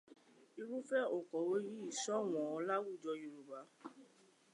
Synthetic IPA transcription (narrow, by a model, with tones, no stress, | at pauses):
i˧ɾu˦fɛ˦o˨kɔ˨we˦ɾi˦i˦˨sɔ˦˨w̃ɔ̃˨ɔ˧la˦wu˦˨d͡ʒɔ˧jo˨ɾu˨ba˨˦